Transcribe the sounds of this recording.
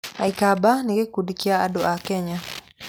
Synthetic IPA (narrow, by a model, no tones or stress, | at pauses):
aikabaniɡekudikiaadɔʔakɛɲa